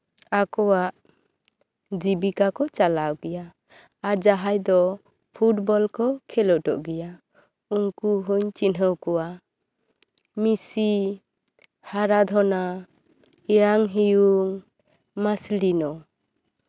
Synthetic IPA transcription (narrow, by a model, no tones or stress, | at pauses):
akɔwaʔ | d͡ʒibikakɔt͡ʃalawɡɛjaː | ɾd͡ʒaɦajd̪ɔ | pʰuʈ̚bɔlkɔkʰɛlɔʔʈɔʔɡɛja | uŋkuɦuɲt͡ʃinɦəwkɔwa | misi | haɾad̪ʱɔna | ɛjaŋɦijuŋ | maslinɔ